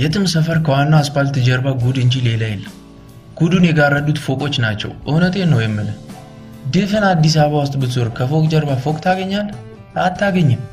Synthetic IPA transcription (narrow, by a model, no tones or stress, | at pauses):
jɛt̪ʰɨmsəfəɾkʰəwanːawasfalt̪ʰɨd͡ʒɛɾbaɡud̪ɨɲd͡ʒilelajɪlː | ɡ̥ud̪unjɛɡarːəd̪ut̪fokʼo̞t͡ʃːnat͡ʃːɛ̰wʔɨwnət̪ʰʼe̞nːəwjɛmːɨnə | d̪ɨfɨnad̪ːis̬aββawʊst̪ʼbɨt̪ʰuɾkʰəfo̞kʼd͡ʒɛɾbafokʼt̪ʰaɡəɲːal | at̪ʰːaɡəɲːɪm